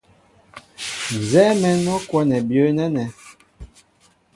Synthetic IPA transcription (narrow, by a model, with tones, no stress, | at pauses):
n˨zɛ˦mɛ˨nɔ˦kwɔ˦nɛ˨bjə˦nɛ˦nɛ˨